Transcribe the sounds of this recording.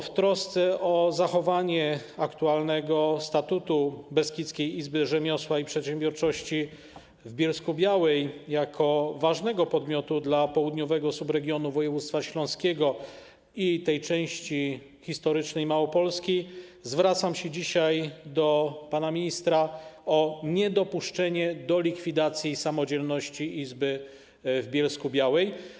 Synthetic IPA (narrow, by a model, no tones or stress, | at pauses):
ft̪ɾɔst̪sɛʔɔzaxɔvaɲɛakt̪ualnɛɡɔst̪at̪ut̪ubɛskʲit̪skʲejizbɘʐɛmʲjɔswaipʂɛt̪ɕɛmbʲjɔɾt͡ʂɔɕt͡ɕi | vbʲjɛlskubʲjawɛjjakʰɔvaʐnɛɡɔpɔd̪mʲjɔt̪ud̪lapɔwud̪ɲɔvɛɡɔsubɾɛɡʲjɔnuvɔjɛvut̪st̪faɕlɔ̃skʲɛɡɔ | it̪ɛjt͡ʂɛ̃w̃ɕt͡ɕi | xʲist̪ɔɾɘt͡ʂnɛjmawɔpɔlskʲizvɾat̪samɕɛd͡ʑiɕajd̪ɔpanamʲiɲist̪ɾaɔɲɛd̪ɔpuʂt͡ʂɛɲɛd̪ɔlʲikfʲid̪at̪sʲjisamɔd͡ʑɛlnɔɕt͡ɕiʔizbɘ | vbʲjɛlskubʲjawɛj